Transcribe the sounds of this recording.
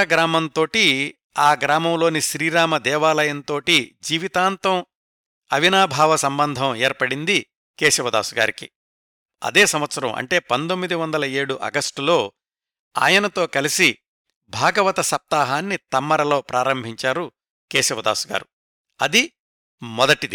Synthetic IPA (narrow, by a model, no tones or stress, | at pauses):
ɐɡɾaːmɐnt̪o̞ːʈi | aːɡɾaːmɐmlo̞ːniʃɾiːɾaːmɐd̪ɛːʋaːlɐjɐnt̪oːʈid͡ʒiːʋit̪aːnt̪ɐ̃m | ɐʋinaːbʱaːʋɐsɐmbɐnd̪ʱɐmeːɾpɐɽind̪i | keːʃɐʋɐd̪a̰ːsuɡa̰ːɾikḭ | ɐ̰d̪eːsɐmʋɐt̪sɐɾɐ̰̃mʔɐ̰ɳʈe̞ːpɐnd̪omːid̪iʋɐnd̪ɐlɐe̞ːɽuʔɐ̰ɡɐsʈulo̞ː | a̰ːjɐnɐt̪o̞ːkɐlisi | bʱaːɡɐʋɐt̪ɐsɐp̚t̪aːɦaːnːit̪ɐmːɐɾɐlo̞ːpɾʔaːɾɐmbʱiɲt͡ʃaːɾu | keːʃɐʋɐd̪a̰ːsuɡa̰ːɾu | ɐd̪i | mɔd̪ɐʈid̪i